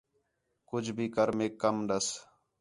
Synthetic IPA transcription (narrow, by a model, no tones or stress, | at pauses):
kʊd͡ʒʱbʱiːkəɾmeːkːəmɗəs